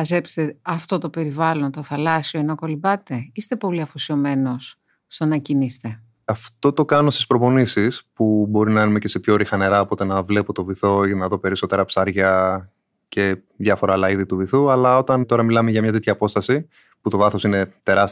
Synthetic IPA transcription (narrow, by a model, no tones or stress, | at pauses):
ɐze̞pst̪eɐft̪o̞t̪o̞pe̞ɾivɐlo̞nt̪o̞θɐlɐsio̞inoko̞libɐt̪eist̪e̞po̞liɐfosio̞me̞no̞s | st̪onɐcinist̪e̞ | ɐft̪o̞t̪o̞kɐnost̪ispɾo̞po̞nisispubo̞ɾinɐɐnumece̞se̞pço̞ɾixɐne̞ɾɐopo̞t̪e̞nɐvle̞pot̪o̞viθo̞inɐðo̞pe̞ɾiso̞t̪e̞ɾɐpsɐɾʝɐ | ce̞ | ðʝɐfo̞ɾɐːlɐiðit̪uviθuɐlɐo̞t̪ɐnt̪o̞ɾɐmilɐme̞ʝɐmɲɐt̪et̪çɐːpo̞st̪ɐsi | put̪o̞vɐθo̞sine̞t̪e̞ɾɐs